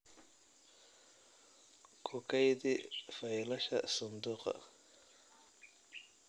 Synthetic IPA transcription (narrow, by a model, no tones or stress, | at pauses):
kʰʊkʰɛjðifɐjlɐʃɐ̰sʊnd̪uːqɐ̰